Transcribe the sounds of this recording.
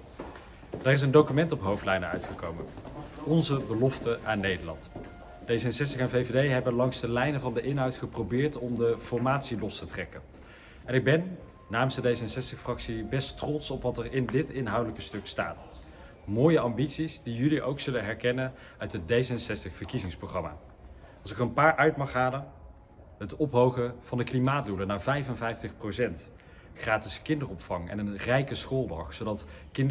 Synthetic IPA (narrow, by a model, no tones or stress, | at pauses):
daːrɪs̬əndowkymɛntɔpɦowftlɛjnəœ̰ɥtχəkowmənɔnzəbəlɔftəaːnːejdəɹlɑ̰nt | d̥ejzəənsɛstəχɛnvejvedejɦɛbənlɑŋzdəlɛjnəvɑndəʔɪnɦɑwtχəprowbɪːɹtɔmdəfɔɹmaːtsilɔstətrɛkən | ɛnɪɡ̚bɛnː | aːmənsdədejzənsɛstəχfrɑksibɛstrɔtsɔpʋɑtɛrɪndɪtɪnɦɑwdələkəstɵksta̰ːt | moːjəɑmbitsisdijɵliʔowksɵlənɦɛɹkɛnən | œɥtɦət̚dejzəənsɛstəχfəɹkizɪŋsproχrɑma̰ː | ɑlˠsɪkərənpaːɹʔœɥtmɑχɦaːlən | ɦətɔpɦowχəv̥ɑndəklimaːtdulənaːɹvɛjfənvɛjftəχprowsɛnt | χraːtɪskɪndərɔpfɑŋɛ̰nənrɛjkəsχoːlˠdɑχsowdɑt | kɪn